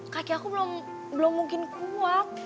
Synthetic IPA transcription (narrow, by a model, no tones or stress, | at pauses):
kakiakubəlɔm | bəlɔmːuŋkinkʰuwa